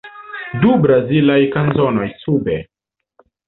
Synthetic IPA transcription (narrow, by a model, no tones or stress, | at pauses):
dubɾazilajkanzono̞jsubḛ